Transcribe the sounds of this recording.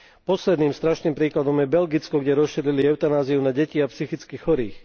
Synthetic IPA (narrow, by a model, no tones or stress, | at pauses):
pɔslɛd̪niːmst̪ɾaʃniːmpɾiːklad̪ɔmjɛbɛlɡit͡skɔɡɟɛɾɔsʃiːɾiliɛʊt̪anaːziunaɟɛciːapsixit͡skixxɔɾiːx